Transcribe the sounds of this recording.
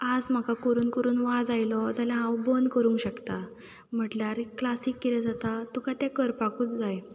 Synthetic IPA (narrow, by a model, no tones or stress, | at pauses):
ad͡zm̤akakoɾuːnkəɾuːnʋad͡zajlɔd͡zaljãɦãwbonkəɾũŋkɕəkt̪a | m̤əʈlaɾklasiːkːiɾɛd͡zat̪at̪ukat̪ɛkəɾpakuːt͡sd͡zaj